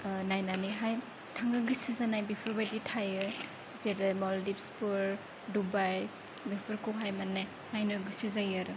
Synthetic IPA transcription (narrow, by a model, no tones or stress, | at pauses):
najnaniɦaj | tʰaŋɡaɡɯsizanajbepʰɯɾbajditʰajɯ | zeɾamɔldip̚spuɾ | dubaj | bepʰɯɾkʰuɦajmanːaj | najnɔjɡɯsizajaɾɯ